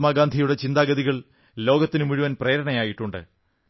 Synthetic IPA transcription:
maːɡaːnd̪ʱijuɽe̞t͡ɕind̪aːɡɐðiɣɐɭ | lo̞ːɡɐt̪ːinɨmuɻuʋɐnpre̞ːɾɐɳɐjaːjiʈːuɳɖɨ̰

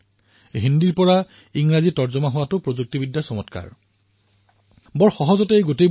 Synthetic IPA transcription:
ɦindiɹpɔɹa | iŋɹazitɔɹzɔmaɦowatʊpɹozuk̚tibidːasɔmɔtka̰ɹ | bɔɹxɔɦɔzɔteɡotej

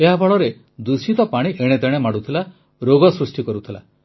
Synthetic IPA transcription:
eɦabʱɔɭɔɾe | d̪usit̪ɔpaɽ̃iʔeɽ̃et̪eɽ̃emaɽut̪ʰila | ɾoɡɔsɾusʈikɔɾut̪ʰila̰

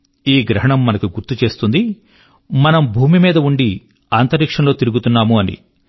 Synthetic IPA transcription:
iːɡɾɐɦɐɳɐmːɐnɐkuɡuɾt̪ut͡ʃe̞ːst̪und̪i | mɐnɐmbʱuːmimiːd̪ɐuɳɖi | aːnt̪ɐɾiːkʂɐnlo̞ːt̪iɾuɡut̪unːaːmuɐnḭ

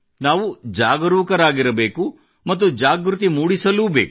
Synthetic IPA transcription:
naːʋud͡ʒaːɡɐɾuːkɐɾaːɡiɾɐbe̞ːku | mɐt̪ːud͡ʒaːɡɾut̪imuːɽisɐluːbeːk

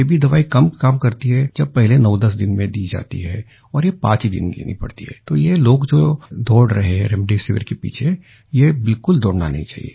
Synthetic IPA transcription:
jebʱid̪ɐʋaːikɐmkaːmkɐɾt̪iɦɛd͡ʒɐb̚pɛɦlenɐʊd̪ɐs̬d̪ɪnmẽd̪iːd͡ʒa̰ːt̪ḭɦɛ | ɔːɾjepã̰ːt͡ʃid̪ɪ̰nlḛːnḭpɐ̰ɽt̪ḭɦɛ̰ːt̪oːjeloːɡd͡ʒoːd̪ɔːɽɾɐɦeɦɛ̃ɾɛmɖisɪʋɪ̰ɾkepḭːt͡ʃʰe | jebɪlkʊld̪ɔːɽnanɐɦĩt͡ʃa̰ːɦḭḛː

